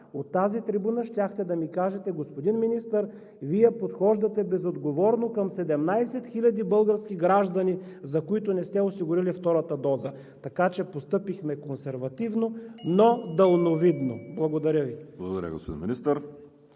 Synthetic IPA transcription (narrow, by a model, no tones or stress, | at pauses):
ot̪ːazit̪ɾibunəʃtʲaxt̪ɛd̪ɐmikaʒɛt̪ɛɡospod̪inminist̪əɾ | vijɛpot̪xɔʒd̪ɐt̪ɛbɛzod̪ɡovɔɾnokɐmsɛd̪ɛmnajsɛt̪xilʲɐd̪ibɤlˠɡəɾskʲiɡɾaʒd̪ɐnizɐkoit̪ʊnɛst̪ɛosiɡʊɾilift̪ɔɾət̪əd̪ɔzə | t̪ɐkat͡ʃɛpost̪ɤpixmɛkonsɛɾvɐt̪ivnonod̪əlˠnovid̪noblˠɐɡod̪ɐɾʲjəviblˠɐɡod̪ɐ̰ɾʲə̰ɡo̰spod̪inminist̪əɾ